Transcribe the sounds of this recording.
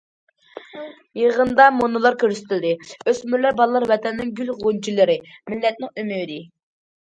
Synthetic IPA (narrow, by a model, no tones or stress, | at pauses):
jeʁənd̪ɑmonɨlˠɑɾkʲʰøɾsɪ̥t̪ʰɪld̪ɪøsmyɾlɛbɑlˠlˠɑɾwɛt̪ʰɛnːɪŋɡʲylʁʊnt͡ʃʰilˠɨɾɪmɪlːɛt̪̚nɪŋymywd̪ɪ